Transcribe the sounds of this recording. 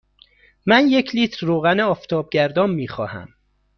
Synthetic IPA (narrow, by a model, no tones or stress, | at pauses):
mænjecʰliːt̪ʰɾːoːɣæneɒːft̪ʰɒːb̚ɟæɾd̪ɒːmmiːxɒ̰ːhæ̰m